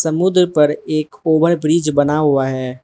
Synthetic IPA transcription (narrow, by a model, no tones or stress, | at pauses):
sɐmud̪ɾpɐɾeːkoːbəɾbɾiːd͡ʒbɐnaɦuaɦɛː